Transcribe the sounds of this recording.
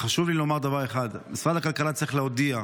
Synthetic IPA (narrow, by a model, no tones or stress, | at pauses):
χaʃuvlilo̞maʁd̪avaʁeχad̪misʁad̪akalkalat͡siχleod̪ia